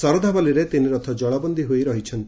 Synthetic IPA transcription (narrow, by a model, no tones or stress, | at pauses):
sɔɾɔd̪ʱabaliɾet̪iniɾɔt̪ʰɔd͡ʒɔɭabɔnd̪iɦojɾɔɦit͡ʃʰɔnt̪i̥